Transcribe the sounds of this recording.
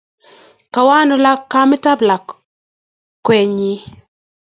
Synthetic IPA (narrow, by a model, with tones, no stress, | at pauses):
ka˨wa˦nɔ˦la˦kːa˦mɪ˦ta˦bla˨k | kːwɛ˨ɲi˦